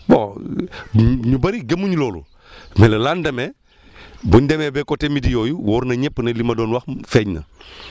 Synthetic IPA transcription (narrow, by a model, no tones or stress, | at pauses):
bo̰ | ɲubɐɾiɡemuɲulɔːlṵ | mɛlɐlandɐmɛ | buɲdɛmɛbɛkotemidijɔjuwɔːɾnɐɲɛpːnɐlimɐdɔːnwɐxfɛɲnɐ̰